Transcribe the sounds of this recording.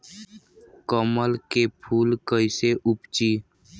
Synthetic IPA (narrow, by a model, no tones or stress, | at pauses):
kəməlkepʰuːlkəɪseʔʊpt͡ʃiː